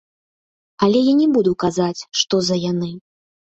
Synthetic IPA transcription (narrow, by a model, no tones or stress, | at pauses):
ɐlʲɛjanʲɛbud̪ukazat͡sʲʂt̪ɔzɐjanɨ